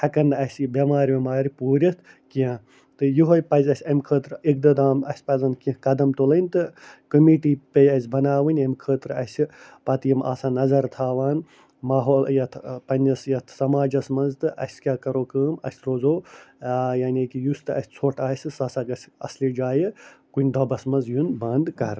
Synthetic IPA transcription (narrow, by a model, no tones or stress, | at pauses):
hɐkɐnɨɐsʲbʲɐmaːɾʲʋimaːɾʲipuːɾʲɐt̪ʰ | kiɐ̃ | t̪ɨjuɦojpɐzʲɐsʲɐmʲkʰəːt̪ɾɨik̚d̪ɐd̪aːmɐsʲpɐzɐnkĩkɐd̪ɐmt̪olɐnʲt̪ɨkɐmiːʈiːpɐjɐsʲbɐnaːʋɨnʲɐmʲkʰəːt̪ɾɐsʲipɐt̪jima̰ːsaːnɐzɐɾt̪ʰaːʋaːn | maːɦoːljɐt̪ʰpɐnʲɐsjɐt̪ʰsɐmaːd͡ʒɐsmɐnzt̪ɨʔɐ̰sʲkʲaːkɐɾoːkəːmɐ̰sʲɾoːzoː | jaːnʲekijust̪ɨɐsʲt͡sʰoʈaːsʲɨsɐsaɡɐsʲɐ̰slid͡ʒaːjɨkunʲd̪ɐbɐsmɐnzjunbɐnd̪kɐɾ